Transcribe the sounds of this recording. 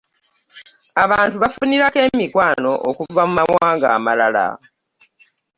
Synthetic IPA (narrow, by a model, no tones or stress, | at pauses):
aβaːntuβafuniɾake̞ːmikwaːno̞ʔokuvamumawaːŋɡa̰ːmalala̰